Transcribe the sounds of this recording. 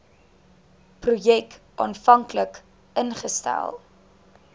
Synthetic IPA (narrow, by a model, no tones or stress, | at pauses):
prujɛkʔɑ̰ːnfɐŋklək | ənχəstæ̰lˠ